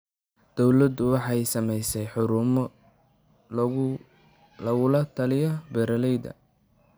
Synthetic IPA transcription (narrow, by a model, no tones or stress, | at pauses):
d̪̥ɔwlɐd̪ʊwɑħɑjsɐmɛjsɛjħʊɾʊm | lɐɣʊlɐt̪ʰɐlɪjɔbɛɾɐlɛjd̪ɐ̰